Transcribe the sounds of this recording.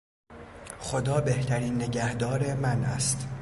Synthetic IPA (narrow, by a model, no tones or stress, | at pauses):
xo̞d̪ɒːbe̞ht̪ʰæɾiːnːe̞ɟæhd̪ɒːɾemænʔæ̰st̪